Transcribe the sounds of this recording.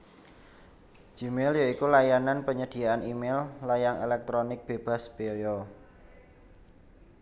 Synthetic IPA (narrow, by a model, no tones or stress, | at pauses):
d͡ʒ̥imɛljaikulajananpəɲəd̪̥i̤aanimɛlːajaŋḛlɛk̚t̪ɾonɪk̚b̥eb̥a̤sb̥ejɔ